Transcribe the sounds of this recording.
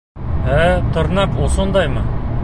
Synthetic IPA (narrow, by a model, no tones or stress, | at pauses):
æt̪ʰəɾnɑqwosond̪ɑjmɑ